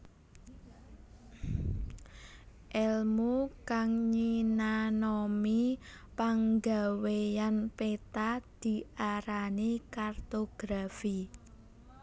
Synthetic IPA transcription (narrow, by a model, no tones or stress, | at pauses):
ʔɛlmukaŋɲinanɔmipaŋɡa̤wejanpet̪ad̪̥i̤ʔaɾanikart̪oɡ̥ɾafi